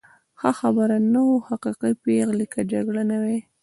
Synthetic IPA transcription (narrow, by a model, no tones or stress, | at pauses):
xaxabəɾanawohaqiqipeɣlikad͡ʒaɡɽanawe